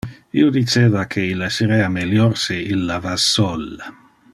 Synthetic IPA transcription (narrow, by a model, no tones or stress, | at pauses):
ḭod̪it͡ʃeːvakʰeilːasiɾɛameljɔrsiilːavasːɔlːa